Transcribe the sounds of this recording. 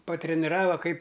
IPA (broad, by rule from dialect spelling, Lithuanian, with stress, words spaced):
pɐtʲrʲɛnʲɪˈrɑːʋɐ ˈkɐɪp